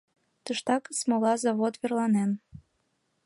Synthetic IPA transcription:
t̪əʃt̪ɑkəsmolɑzɑβot̪βerlɑnen

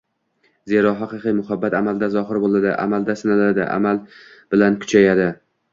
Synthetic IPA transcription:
ze̞ɾɒɦɑqɨqɨjmʊhabːat̪amald̪azɒɦɪɾbolˠad̪ɪ̰ʔa̰mald̪asɪnalad̪ɪ̰ʔa̰malb̥ɪlankʰʊ̥t͡ʃʰajad̪ɪ

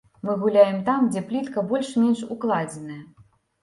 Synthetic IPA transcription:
mɨɣulʲajɛmt̪amd͡zʲɛplʲit̪kɐbɔlʲʂmʲɛnʂuklˠad͡zʲɛnɐjɐ

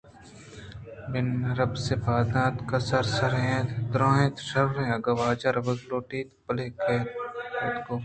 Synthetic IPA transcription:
bɪnɐɾɐbsepʰaːd̪ãːt̪kɐsɐɾsɐɾɦẽːt̪d̪ɾãːɦẽt̪ʃɐɾɾẽɐɡɐʋaːd͡ʒɐɾʋɐɡloːʈiːt̪pɐleːkʰeet̪koː

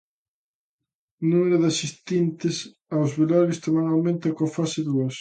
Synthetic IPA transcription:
nũmeɾʊðasist̪int̪ɪs | awzβilaɾist̪omanawmẽnt̪ɐkofasɪðuɐs

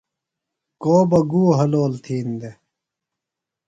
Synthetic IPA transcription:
koːbɐɡuːɦɐloːlt̪ʰiːnd̪e

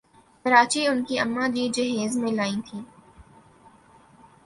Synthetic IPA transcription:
kɐɾaːt͡ʃiʊnkiɐmːad͡ʒiːd͡ʒɐɦeːzmẽlaːĩt̪ʰiː

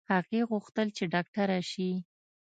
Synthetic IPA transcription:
haɣeɣʊxt̪əlt͡ʃeɖɑk̚ʈaɾaʃi

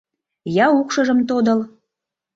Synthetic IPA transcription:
jɑukʃɤʒə̆mt̪od̪ə̆l

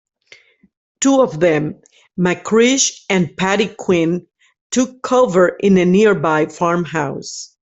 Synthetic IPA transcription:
tʰuɔvðɛ̃mː | ækʰɹɪʃɨ̃npʰæɾikʰw̥ɪ̃n | tʰʊkʰːovə˞ʔɪ̃nɨnɪɹbaɪfɑɹmɦaʊs

